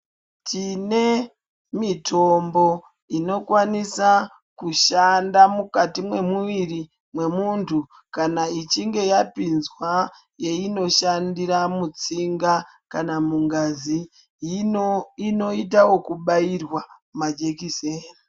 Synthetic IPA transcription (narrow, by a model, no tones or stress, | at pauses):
t͡ʃine̞ | mitʰo̞mbo̞ | ino̞kwanisa | kuʃandamukatimwe̞muʋiri | mwe̞muntʰu | kanait͡ʃiŋɡe̞japinzwa | jeino̞ʃandiɾamut͡siŋɡa | kanamuŋɡazi | ino̞it̬awo̞kuɓairwamad͡ʒekiseːni